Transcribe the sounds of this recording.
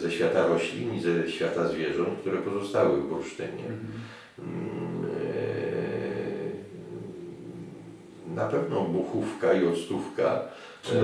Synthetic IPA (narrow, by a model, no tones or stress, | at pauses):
zɛɕfʲjat̪aɾɔɕlʲiɲizɛɕfʲjat̪azvʲjɛʐɔnt̪̚kt̪uɾɛpɔzɔst̪awɘvvɾuʂt̪ɘɲɛ̰ | napɛvnɔbuxufkaiɔt̪st̪ufka̰